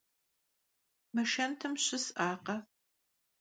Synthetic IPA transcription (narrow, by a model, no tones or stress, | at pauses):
mɨʃɐntʰɨmɕɪsʔaːqɐ